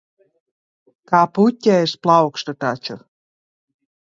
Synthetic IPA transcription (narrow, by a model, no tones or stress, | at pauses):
kɑputʲːæeʃplˠɑwkʃt̪ɤ̆t̪ɑt͡ɕŏ